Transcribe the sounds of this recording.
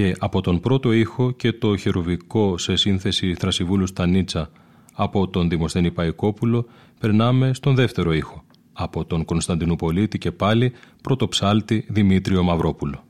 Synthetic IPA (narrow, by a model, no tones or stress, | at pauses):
ce̞ʔɐpo̞t̪o̞npɾo̞t̪o̞ixo̞ce̞t̪o̞çeɾoviko̞se̞sinθe̞siθɾɐsivulust̪ɐnit͡sɐː | po̞t̪o̞nðimo̞st̪e̞nipɐiko̞pulo̞ | pe̞ɾnɐme̞st̪o̞nðe̞ft̪e̞ɾo̞ixo̞ | ɐpo̞t̪o̞ŋko̞nst̪ɐnd̪inopo̞lit̪ice̞pɐlipɾo̞t̪o̞psɐlt̪iðimit̪ɾio̞mɐvɾo̞pulo̞